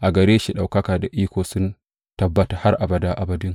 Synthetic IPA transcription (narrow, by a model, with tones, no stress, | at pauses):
ʔa˨ɡɐ˨ɾeː˦ʃi˨ɗa˨wkɐ˦kaː˨da˨ʔiː˦kʷoː˨sʊ˦n | tɐ˨bːɐ˦ta˨ha˦ɾʔa˨bɐ˨daː˦ʔa˨bɐ˨dɪ˦ŋ